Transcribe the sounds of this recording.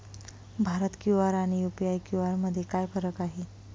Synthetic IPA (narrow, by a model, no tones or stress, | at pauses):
bʱaɾət̪kjuʋaɾaɽ̃ijupiajkjuʋaɾməd̪ʱːjekajfəɾəkaɦe